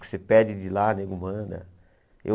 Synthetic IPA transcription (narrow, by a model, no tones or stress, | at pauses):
kɪ̥sepɛd͡ʒɪd͡ʒɪlaneɡʊmɐ̃d̪ɐ̰ | ḛ